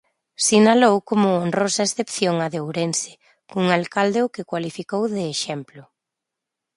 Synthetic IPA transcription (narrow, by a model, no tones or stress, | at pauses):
sinalowkomʊonrosaesθepθjoŋaðeowɾensɪ̥ | kuŋalkald̪eʊkɪkwalifikowðeːʃɛmplʊ